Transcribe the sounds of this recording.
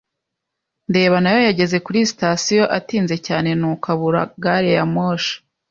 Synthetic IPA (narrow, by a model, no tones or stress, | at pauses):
nde̞ːβanajo̞jaɟe̞ze̞kuɾisi̥tasijo̞ʔatiːnze̞caːne̞nuːkaβuɾa̰ɡaɾejamoːʃḁ